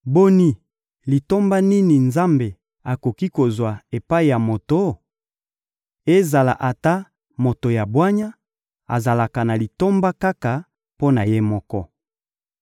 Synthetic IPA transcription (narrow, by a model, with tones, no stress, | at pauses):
bo˦ni˦ | li˨to˦mba˦ni˦ni˨nza˦mbe˨ | a˨ko˨ki˦ko˨zwa˨e˨pa˦i˨ja˨mo˨to˦ | e˦za˨la̰˨ʔa˨ta˦ | mo˨to˨ja˨bwa˦ɲa˦ | a̰˨za˨la˨ka˨na˨li˨to˦mba˦ka˦ka˨ | po˦na˨je˦mɔ˦kɔ˦